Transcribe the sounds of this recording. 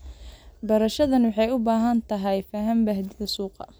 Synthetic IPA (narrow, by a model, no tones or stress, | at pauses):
bɐɾɐʃɐðɐnwɑħɑjʊbaːɦɐnt̪ʰɐɦɛjfɐːɦɐmbɐɦd̪ɪðɐsuːqɐ̰